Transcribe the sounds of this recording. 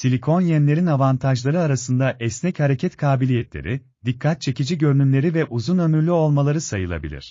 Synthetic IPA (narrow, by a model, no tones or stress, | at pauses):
silʲikʰo̞njɛnlʲe̞ɾinavant̪ʰaʒlˠaɾɯaɾasɯnd̪aʔɛsnɛchaɾe̞cʰɛt̪kʰaːbilʲijɛt̪lʲḛɾʔi | d̪ikʰːat̪̚t͡ʃʰe̞cid͡ʒiɟø̞ɾynymlʲe̞ɾivɛʔuzunø̞myɾlʲyo̞lˠmalˠaɾɯsajɯlˠa̰bḭlʲḭɾ̝̥